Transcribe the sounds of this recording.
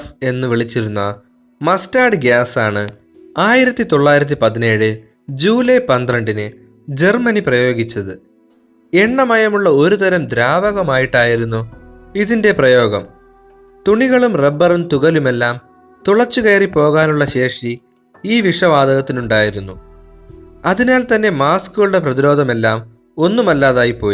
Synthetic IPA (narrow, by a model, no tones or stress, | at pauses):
e̞nːɨʋiɭit͡ɕːiɾunːɐ | mɐstaːɖɡjaːsaːɳɨ | aːjiɾɐt̪ːit̪o̞ɭːaːjiɾɐt̪̬ːipɐðine̞ːɻɨ | d͡ʑuːlejpɐnd̪rɐɳɖinɨ | d͡ʑe̞rmɐniprɐjo̞ːɡit͡ɕːɐðɨ | e̞ɳːɐmɐjɐmuɭːɐo̞ɾut̪ɐɾɐmd̪ɾaːʋɐɣɐmaːjiʈːaːjiɾunːu | iðinde̞prɐjo̞ːɡɐ̰m | t̪uɳiɣɐɭumrebːɐrumt̪uɣɐlume̞lːaːm | t̪uɭɐt͡ɕːukejɐripo̞ːɣaːnuɭːɐɕe̞ːʂi | iːʋiʂɐʋaːd̪ʱɐɣɐt̪ːinuɳɖaːjiɾunːu | ɐðinaːlt̪ɐnːe̞maːskuɣɐɭuɽe̞prɐðiɾo̞ːd̪ʱɐme̞lːaːm | o̞nːumɐlːaːðaːjipːo̞ːji